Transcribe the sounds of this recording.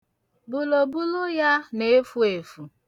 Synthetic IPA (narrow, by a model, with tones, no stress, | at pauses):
bu˨lo˨bu˦lʊ˦ja˦ne˨˦fu˦e˨fu˨